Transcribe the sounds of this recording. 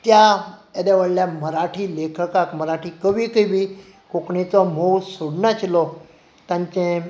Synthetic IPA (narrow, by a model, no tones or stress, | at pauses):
t̪jaed̪aʋəɽljaməɾaʈʰiːlekʰəkakməɾaʈʰiːkəʋiːkəbʱiː | kokɳet͡sɔm̤owsoɽnat͡ɕlɔ | t̪ãɲt͡ɕẽ